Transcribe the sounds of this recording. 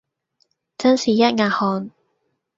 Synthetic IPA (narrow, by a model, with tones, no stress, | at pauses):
t͡sɐ˥nsiː˨jɐ˥t̚ŋaː˧˩hɔː˧n